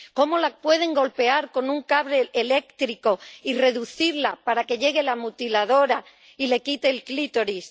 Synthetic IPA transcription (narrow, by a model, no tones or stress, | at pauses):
ko̞mo̞lapwe̞ð̞e̞ŋɡo̞lpe̞aɾko̞nũŋkaβɾe̞ːle̞kt̪ɾiko̞ire̞ðuθiɾlapaɾake̞ʎe̞ɣ̞e̞lamut̪ilaðo̞ɾa | ile̞kit̪e̞ːlklit̪o̞ɾis